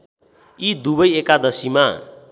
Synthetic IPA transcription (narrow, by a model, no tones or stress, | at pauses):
id̪ubʌjekad̪ʌsima